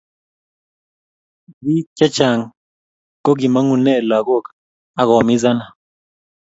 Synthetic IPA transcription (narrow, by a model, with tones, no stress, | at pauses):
bi˦ka˦t͡ʃa˨ŋ | ko˦ɡi˨ma˦ŋu˨nɛ˦˨la˨ɣo˦˨k | a˦ɣɔ˨mi˦za˦na˨